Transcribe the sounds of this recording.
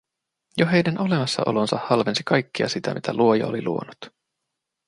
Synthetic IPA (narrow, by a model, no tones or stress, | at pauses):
joɦe̞jdæno̞le̞mɑsːɑ̰ʔo̞̰lo̞nsɑhɑlʋe̞nsikɑjkːiɑsit̪æmit̪ʰæluo̞jɑ̰o̰liluo̞̰nut̪